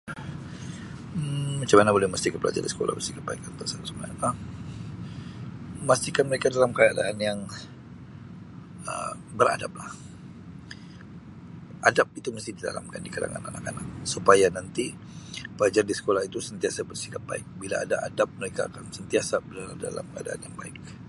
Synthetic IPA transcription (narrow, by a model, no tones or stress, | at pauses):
mat͡ʃamanabolɛhməst̪ikapəla̰d͡ʒa̰rdisə̥ko̰la̰hbərsikap̚baikant̪əsatsəməaə | məst̪ihkanməɾekadalamkajaʔda̰anjaŋ | ə̰bəɾa̰da̰p̚lah | ʔadap̚it̪uməst̪ɪhdida̰la̰mkandikada̰ŋa̰nanakanak̚supajanant̪i | pəlad͡ʒardisə̥kolahit̪usənt̪iasabərsi̥kap̚ba̰ɪk̚bilaadaʔadap̚məɾekaa̰kansənt̪iasabdada̰la̰mkəa̰daa̰njaŋbaɪk̚